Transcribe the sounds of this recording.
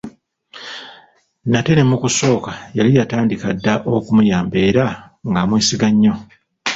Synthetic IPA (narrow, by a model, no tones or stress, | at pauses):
nate̞ne̞mːukuso̞ːkajalijataːndikadːaʔo̞kumujaːmbe̞ːɾa | ŋɡamweːsiɡaɲːo̞